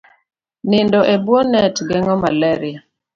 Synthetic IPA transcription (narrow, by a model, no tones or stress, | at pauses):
nɪndɔʔebwɔnɛtɡɛŋɔmalɛɾɪa